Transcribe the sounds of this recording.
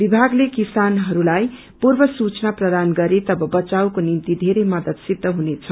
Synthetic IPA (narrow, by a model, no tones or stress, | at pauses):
bibʱaɡlekisanɦʌɾulaj | purbʌsut͡snaprʌd̪anɡʌɾet̪ʌbʌbʌt͡saw̃konimt̪id̪ʱeɾemʌd̪ʌd̪sid̪ʱːʌɦunet͡sʰʌ